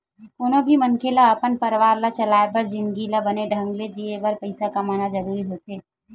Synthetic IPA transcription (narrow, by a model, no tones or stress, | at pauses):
koːnobʱimənkʰelaəpənpəɾʋaːɾlat͡ʃəlaːebəɾd͡ʒɪnɡilabəneɖʱə̃ŋɡled͡ʒiebəɾpəɪsakamaːnad͡ʒəɾuɾiɦot̪eː